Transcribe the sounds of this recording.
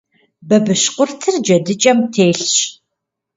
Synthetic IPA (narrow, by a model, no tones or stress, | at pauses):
bɐbɨʃqʷʊrtʰɨrd͡ʒɐdɨt͡ʃʼɐmtʰeːɬɕ